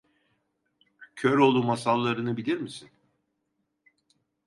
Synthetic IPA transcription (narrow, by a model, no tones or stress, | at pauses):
cʰøɾo̞lˠumasalˠːaɾɯnɯbilʲiɾmisin